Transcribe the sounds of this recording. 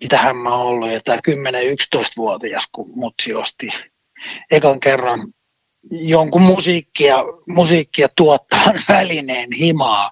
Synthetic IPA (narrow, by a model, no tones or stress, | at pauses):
mit̪æhæmmæolːujjot̪ɑːkymːeneykst̪oist̪ʋuot̪iɑskumut̪siost̪i | ekɑŋkerːɑn | joŋkummusiːkːiɑmusiːkːiɑt̪uɔt̪ːɑːnʋælineːnhimɑː